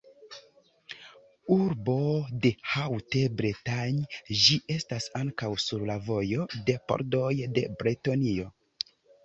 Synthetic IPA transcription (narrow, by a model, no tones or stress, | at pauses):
uɾbo̞de̞hawte̞bɾetaɲd͡ʒiʔe̞stasaŋkawsuɾlavo̞jo̞de̞po̰ɾdo̞jde̞bɾetonio̞